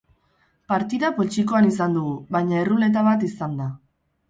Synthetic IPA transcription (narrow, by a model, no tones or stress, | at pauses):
paɾt̪iðapolt͡ʃiko̞anis̬and̪uɣuβajɲae̞rule̞t̪̬aβat̪isand̪a